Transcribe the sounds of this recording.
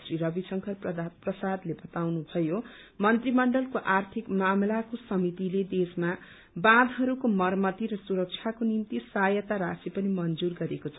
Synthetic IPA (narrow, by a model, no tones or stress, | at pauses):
sriɾʌbisʌŋkʰʌrp̪prʌsad̪lebʌt̪awnubʱʌjo | mʌnt̪rimʌɳɖʌlkoʔart̪ʰikmamlakosʌmit̪iled̪esma | bãd̪ɦʌɾukomʌrmʌt̪iɾʌsuɾʌk̚t͡sʰjakonimt̪isajʌt̪aɾasipʌnimʌnd͡zurɡʌɾekot͡sʰʌ